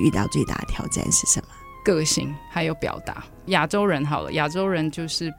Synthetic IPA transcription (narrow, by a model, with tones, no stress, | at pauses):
y̰˥˧t̪ɑ̰˥˧ʊt͡swe˥˧ɪt̪a̰˥˩t̪ʰjɑ˧˥ʊʈ͡ʂa̰˥˩nʂɻ̩˥˩ʂə˧˦nmə˦ | kɤ˧˩ɕi˧˥ŋxa˨˧ɪjo˧˩ʊpjɑ̰˨˩ʊt̪a̰˧˥˦ | ja˨˩ʈ͡ʂo˥ʊɻə˧˦˥nxɑ˨˩ʊlə̰˦ja˨˩ʈ͡ʂo˥ʊɻə˧˥nt͡ɕjo˥˧ʊʂɻ̩˥˩